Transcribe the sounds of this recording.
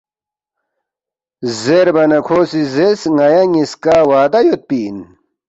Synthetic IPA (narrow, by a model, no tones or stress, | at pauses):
zeɾbɐnɐkʰoːsizesŋɐjɐŋiskaːwaːd̪ɐjot̪̚piːn